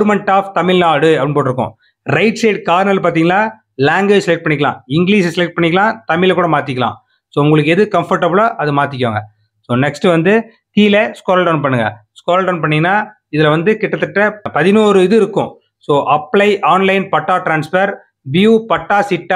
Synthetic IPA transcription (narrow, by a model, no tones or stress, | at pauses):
ɾmɛɳʈaːft̪ɐmɪlːaːɽɯɐpːɽnpoːʈːɪɾɯkːʊ̰̃ | ɾɐɪʈseːʈ̚kaːɾnɐlpaːɾt̪iːŋɡɐnaː | laːŋɡʋeːd͡ʒsɛlɛk̚ʈ̚pɐɳːɪkːɐlã̰ːɪŋɡɪliːssɛlɛk̚ʈ̚pɐɳːɪkːɐlãːt̪ɐmɪlɐkːuːɽɐmaːt̪ɪkʲːɐlã̰ː | soːʊŋɡɐɭɯk̬ːɛðɯkɐmfɐɾʈːɐbɯɭaːʔɐðɯmaːt̪̬ɪk̬ʲːʋaːŋɡɐ | soːnɛksʈɯʋɐnd̪ɯ | t̪iːlɐskoːɾɐlɖɐːnpɐɳːɯŋɡɐ̰ | skoːɾɐlɖɐːnp̬ɐɳːɪŋɡɐnːaː | ɪðɪlɐʋɐnd̪ɯkɪʈːɐt̪ːɐʈːɐpɐðɪnoːɾɯɪðɯɪɾɯkːʊ̰̃ | soːʔɐpːlɐɪʔaːnlɐɪnpɐʈːaːʈɾaːnsfɐɾ | biuːpɐʈːaːsɪʈːa